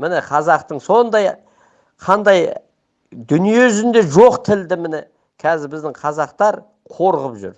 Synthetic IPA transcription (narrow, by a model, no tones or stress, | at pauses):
mɪnɪqʰɑzɑqt̪əɴso̞nd̪ɑj | qʰɑnd̪ɑj | d̪ʏnije̞zɪnd̪e̞ʒoqt̪ʰɪld̪ɪmɪnɪ | kʲʰæzɪɾbɪzd̪ɪɴqʰɑzɑqt̪ɑɾ | qʰo̞ɾʁəpʒʏ̰ɾ